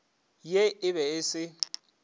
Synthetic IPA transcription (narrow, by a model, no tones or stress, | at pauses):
jeɪβɛɪsɪ